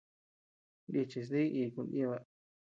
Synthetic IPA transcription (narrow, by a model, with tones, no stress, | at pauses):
ndi˧t͡ʃi˧s̬ði˦ʔi˧˨kũ˧ni˦˧βa˧